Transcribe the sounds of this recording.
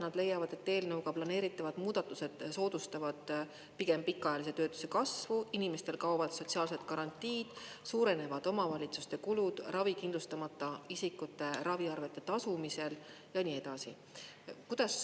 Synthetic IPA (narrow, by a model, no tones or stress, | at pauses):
nɑd̪le̞jɑvɑd̪̥e̞t̪ːe̞ːlnɤuwɡɑplɑne̞ːɾit̪ːˑɑvɑd̪muːd̪̥ɑt̪ːˑuse̞d̪̥so̞ːd̪̥ust̪ɑvɑd̪̥ | piɡ̥e̞mpikːˑɑɑjɑlise̞t̪ø̞ːt̪ːˑu̥se̞kɑsvuinime̞st̪e̞lkɑwvɑd̪̥so̞t̪ʲsiɑːlse̞t̪kɑɾɑnʲt̪ːˑiːd̪̥suːɾe̞ne̞vɑd̪̥o̞mɑvɑlʲit̪sust̪e̞kulud̪̥rɑvikind̪lust̪ɑmɑt̪ˑːɑisikːˑut̪ːˑe̞ɾɑviɑrve̞t̪ːˑe̞t̪ɑsumise̞l | jɑnie̞d̪̥ɑsḭ | kud̪̥ɑs